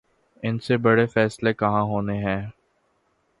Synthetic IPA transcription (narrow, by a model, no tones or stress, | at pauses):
ɪnsebɐɽefɛːslekɐɦãɦoːneɦɛ̃ː